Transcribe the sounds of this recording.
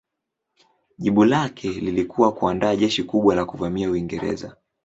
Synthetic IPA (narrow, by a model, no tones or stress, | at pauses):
ʄiɓulakʰɛlilikuwakuandaːʄɛʃikuɓwalakuvamiauiŋɡɛɾɛ̰za̰